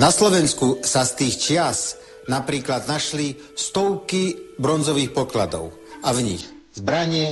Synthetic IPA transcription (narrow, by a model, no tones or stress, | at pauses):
naslɔʋɛnskusast̪iːxt͡ʃɪas | napɾiːklad̪naʃli | st̪ɔʊkibɾɔnd͡zɔʋiːxpɔklad̪ɔ̰ʊ | avɲix | zbɾaɲɪɛ